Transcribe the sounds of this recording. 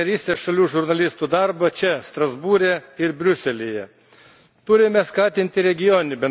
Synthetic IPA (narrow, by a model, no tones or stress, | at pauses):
ɛɾʲiːst̪ʲeːsʃɐlʲuːʒʊɾnɐlʲɪst̪uːd̪ɐɾbɐt͡ʃʲɛst̪ɾɐzbuːɾʲɛɪɾbʲɾʲʊsʲɛlʲijɛ | t̪ʊɾʲɪmʲɛskɑːt̪ʲɪnʲt̪ʲɪɾʲɛɡʲɪjoːnʲnʲɪbʲɛn